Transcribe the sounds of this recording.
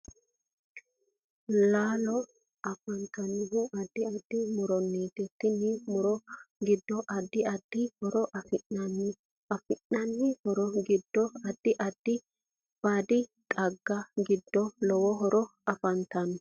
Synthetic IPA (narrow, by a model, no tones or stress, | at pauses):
laːlɔ | ʔɐfɐnt̪ɐnːɪɦʊʔɐd̪ːɪɐd̪̥ːɪmʊɾɔnːiːt̪ɛt̪ːɪnːɪmʊɾɔɡɪd̪ːɔʔɐd̪ːɪɐd̪̥ːɪhɔɾɔʔɐfɪnːɐnːɪ | ɐfɪnːɐnːɪhɔɾɔɡɪd̪ːɔɐd̪̥ːɪʔɐd̪̥ːɪ | b̥aːd̪ɪt̪ʼɐɡːɐɡɪd̪ːɔlɔwɔɦɔɾʔɔɐfɐnt̪ɐn